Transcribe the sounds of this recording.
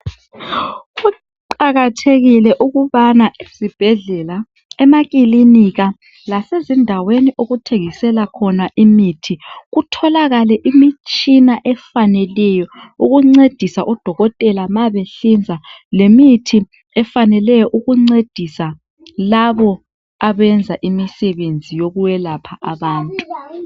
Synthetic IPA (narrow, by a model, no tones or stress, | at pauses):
ɣu | ǃaɣatʰeɣilɛʔuɣuβanaezib̥ʱɛɮɛla | ɛmaɣiliniɣa | lasezindʱaweniʔoɣutʰeɣisɛlakʰɔnaʔimitʰiɣutʰɔlaɣalɛʔimit͡ʃʼinaʔɛfanɛlɛjɔuɣuŋ͡ǀed̥ʱisaʔud̥ʱɔɣɔtʼɛlamaβeɬind͡zʱalemitʰi | ɛfanɛlɛjɔʔuɣuŋ͡ǀed̥ʱisa | laβɔ | aβɛnd͡zʱaʔimisɛβend͡zʱijoɣuwɛlapʰaʔaβaːntʼu̥